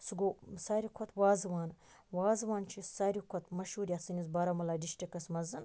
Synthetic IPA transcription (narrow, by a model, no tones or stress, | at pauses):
sɨɡoːsaːɾʲikʷʰot̪ʰwaːzɨʋaːn | waːzɨʋaːnt͡ʃʰisaːɾʲikʰot̪mɐʃhuːɾʲɐsɨnʲizbɐɾamɐlaːdiʃʈikɐsmɐzɨn